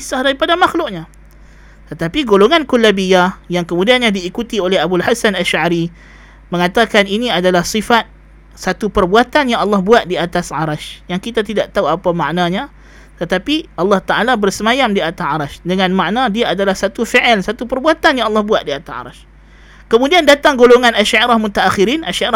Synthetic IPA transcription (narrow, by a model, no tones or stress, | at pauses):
sahdaɾipadamaxlʊʔ̚ɲa | t̪ət̪apiɡoloŋankulːabijajaŋkəmudianɲãdiːkut̪iolɛɦabulhasanaʃʕaɾi | mə̃ŋat̪akaniniadalahsifat̪̚ | sat̪upərbuat̪anjaŋɑlːɑhbuat̪̚diat̪asʕaɾaʃjaŋkit̪at̪idaʔt̪auapamaʔnãɲa | t̪ət̪apiʔɑlːɑht̪aʔalabərsəmajamdiat̪asʕaɾaʃdəŋãnmaʔnãdiaadalahsat̪ufiʔɛlsat̪upərbuat̪anjaŋɑlːɑhbuat̪̚diat̪asa̰ɾa̰ʃ | kəmũdiandat̪aŋɡoloŋãnaʃaʔiɾahmut̪aʔaxiɾinʔaʃaɾ